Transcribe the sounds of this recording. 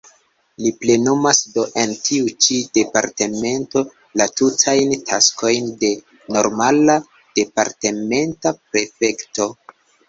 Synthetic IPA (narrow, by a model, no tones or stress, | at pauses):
liple̞numasdo̞ʔe̞ntʰiut͡ʃide̞paɾte̞me̞nto̞ | latutʰajntʰa̰skʰo̞jnde̞ | no̞ɾmala | d̥e̞pa̰ɾte̞me̞ntapɾe̞fe̞kto̞